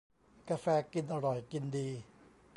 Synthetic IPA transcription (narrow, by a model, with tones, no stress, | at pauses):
kaː˧fɛː˧ki˧nʔa˧ɾɔ˨˩jki˧ndiː˧